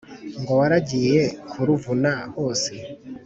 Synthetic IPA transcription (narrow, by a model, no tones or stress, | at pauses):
ŋɡo̞waɾaɟiːjekʰuɾuvunahoːse